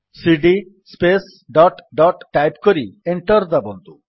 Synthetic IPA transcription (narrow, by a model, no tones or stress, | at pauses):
siɖi | spes | ɖɔʈɖɔʈʈajpkoɾieɳʈɔɾd̪abond̪u